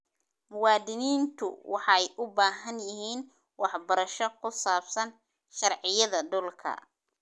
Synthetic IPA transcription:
mʊwɑːd̪ɪniːnt̪ʰʊwʔɑħɑjʔʊbaːɦɐnjɪɦiːn | wɑħbɐɾɐʃɔkʰʊsaːbsɐn | ʃɑrʕɪjɐðɐɖʊlkʰɐ̰

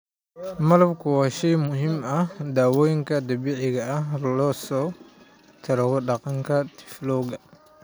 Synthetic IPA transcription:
mɐlɐbkʰʊwaːʃɛjmʊɦimɐhd̪aːwɔːjŋkʰɐd̪ɐbɪʕɪɣɐːɦlɔːsɔː | t̪ʰɐɾɐɣɔɖɑqɑŋkʰɐt̪ʰɪ̥flɔːɣɐ

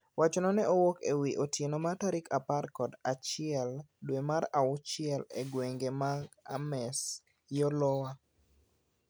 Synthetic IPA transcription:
wʔat͡ʃɔnɔnɛʔowokewiʔotjenomataɾɪkaparkɔdat͡ʃɪɛldwemaɾaʊt͡ʃɪɛleɡweŋɡemaɡamɛs | jɔlɔwa

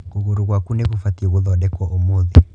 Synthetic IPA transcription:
kuɣuɾuɣwakuneɣufatioβuðɔdɛkwɔʔomoði

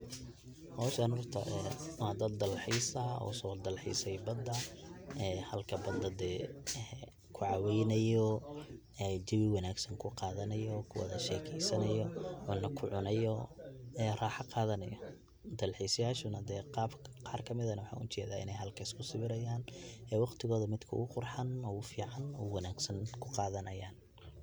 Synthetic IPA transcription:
hɔːʃɐnhɔrt̪ʰɐʔɛːwɑd̪ɐd̪̚ːɐlħiːsɐɔ̰ːsɔːd̪ɐlħḭːsɛjbɐd̪ɐɛːhɐlkʰɐbɐd̪ɐd̪ɛːɛː | kʰʊʕɑwɛjnɐjɔ | ɛd͡ʒɪwɪwɑnaːɡsɐŋkʰʊqɑːðɐnɐjɔkʰʊwɐ̰ðɐʃɛːkʰɛjsɐnɐjɔʊnːɐkʰʊʕʊnɐjɔɛːraːħɑqɑːðɐnɐ̰jɔ | d̪ɐlħiːsɐjaːʃʊnɐd̪ɛːqɑːbqɑːrkʰɐmɪðɐnɐwɑħɑ̰ːʔʊt͡ʃɛ̰ːðaːɪ̰nɛjɦɐlkʰɐɪskʰʊsɪβɪɾɐjaːnɛːwɑqt̪ʰɪɣɔːðɐmɪd̪kʰɐʊ̰ɣʊqʊrħɑnɔːʊfiːʕɑnɔwɑnaːɡsɐnkʰʊqɑːðɐnɐjaːn

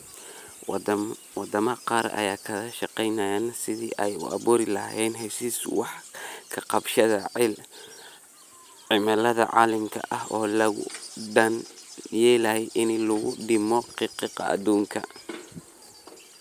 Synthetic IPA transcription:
wɑd̪ɐmɐqɑːɾɐ̰jaːkʰɐɣɐʃɑqɛjnɐjaːnsɪðḭːʔɛjʊ̰ʔɐ̰βuːɾɪlɐɦɛːnɦɛsiːswɑħkʰɐqɑbʃɐðɐʕɪl | ʕɪmɐlɐðɐ̰ʕɑ̰ːlɪmkʰɐ̰ʔɐɦɔːlɐɣʊ̰ɖɐnjɛːlɐhɛjʔɪnlʊɣʊ̰ɖɪmɔqɪqiqɑ̰ʔɐ̰d̪uːŋkʰɐ

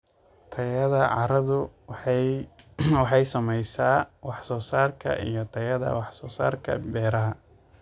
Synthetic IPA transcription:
t̪ʰɐjɐðɐʕɑɾɐðʊ | wɑħɑjsɐmɛjsaːwɑħsɔːsaːrkʰɐ̰ʔḭjɞt̪ʰɐjɐðɐ̰wɑħsɔːsa̰ːrkʰɐ̰bɛːɾɐɦɐ

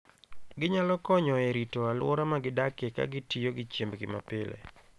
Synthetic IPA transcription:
ɡɪɲalɔkɔɲɔeɾitoalʊɔ̰ɾamaɡɪdakeka̰ɡɪtijoɡɪt͡ʃjembɡɪmapɪlḛ

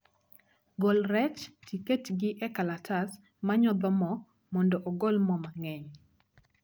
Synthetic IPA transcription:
ɡolɾɛt͡ʃtiketɡɪʔɛkalatʰas | maɲɔd̪ɔmɔ | mɔndɔʔɔɡolmɔmaŋɛɲ

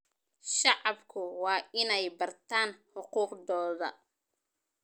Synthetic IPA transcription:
ʃɑʕɑbkʰʊwɑːʔɪnɛjbɐrt̪ʰaːnħʊquːqdɔːðɐ̰

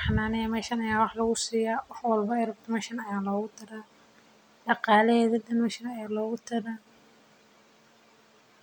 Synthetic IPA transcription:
ħɑnaːnɛɛmɛːʃɐnɐjaːwɑħlɐɣʊsiːjaːwɑħwɑlbɐɛrɐbt̪ʰɐmɛʃɐnɐjaːlɔːɣʊt̪ʰɪɾaː | ɖɑqɑːlɛhɛːðɐd̪ɐnmɛʃɪnɐaːlɔːɣʊt̪ʰɐɾa

